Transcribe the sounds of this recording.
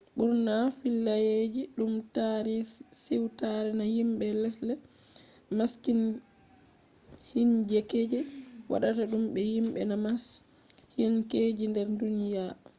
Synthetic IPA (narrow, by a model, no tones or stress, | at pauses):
ɓuɾnafilːajed͡ʒiɗumtaɾɛsiwtaɾɛnajimɓɛlɛslɛ | maskin | hind͡ʒɛkeːd͡ʒɛwa̰ɗataɗumɓɛjimɓɛnamas | hinkeːd͡ʒindɛɾdunija